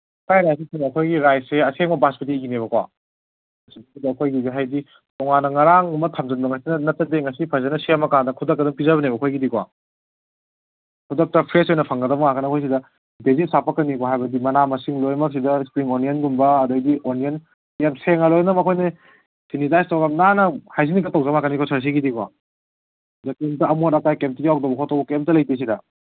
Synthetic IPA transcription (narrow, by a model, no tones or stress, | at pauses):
kʰajɾajsikʰinɐkʰojɡiɾajseɐseŋɔbaspit̬iɡineβɐkwa̰ | ɐsibɐsidɐːkʰojɡizɦajdi | tɔŋanːɐŋaɾaŋumɐtʰamd͡ʒɐnbɐŋɐsinɐnɐt̚t͡ʃɐdeŋɐsipʰɐzɐnɐsiamɐkandɐkʰudɐkːɐduŋpizɐβɐnebɐkʰojɡidikwa | kʰudɐk̚tɐpʰɾesojnɐpʰɐŋɡɐdɐbɐŋakɐnɐkʰojs̬idɐ | dezisapɐkɐnːikoɦajbɐdimɐnamɐsiŋlojmɐk̚s̬idɐispɾiŋoniɐnɡumbɐːdɐɡɡionien | jamseŋɐlojnɐmɐkʰojne | sinizajstawɡamnanɐhajs̬inikɐtawzɐmakɐnikʰosʰɐɾs̬iɡidikwa | zakem̚tɐɐmoɾɐkajkemtiɡiawk̚dɐwbɐkʰotawbɐkemtɐlɐjpejs̬idɐ